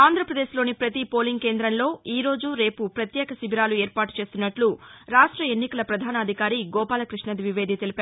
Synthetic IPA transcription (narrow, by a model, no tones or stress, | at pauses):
aːnd̪ɾɐpɾɐd̪e̞ːʃlo̞ːnipɾɐt̪ipo̞ːliŋɡke̞ːnd̪ɾɐnlo̞ːiːɾo̞ːd͡ʒuɾe̞ːpupɾɐt̪jɛːkɐsibʱiɾaːlueːɾpaːʈu̥t͡ʃeːst̪unːɐʈluɾaːʂʈɾɐenːikɐlɐpɾɐd̪ʱaːnɐːd̪ʱikaːɾiɡɔːpaːlɐkɾiʂɳɐd̪iʋiʋe̞ːd̪ʱit̪elipæːɾ